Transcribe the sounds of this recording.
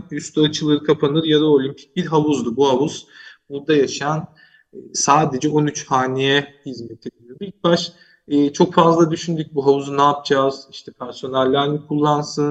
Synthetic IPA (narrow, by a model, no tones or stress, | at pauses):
yst̪oat͡ʃʰɯlˠɯɾɯkʰapʰanɯɾjad̪aolʲimpʰi̥c̚ʲbiɾɦavuzd̪ubuhavuz̥buɾd̪ajaʃajanː | saːd̪e̞d͡ʒɛo̞nyt͡ʃhaːnijɛhizmet̪ʰed̪ilijob̪ilʲc̚baʃː | t͡ʃʰo̞kfazlˠad̪yʃynd̪yc̚buɦavuzunaːp̚d͡ʒaz̥iʃt̪ʰɛpʰæɾsjo̞naɾʲːaɾnikʰulˠːansɯn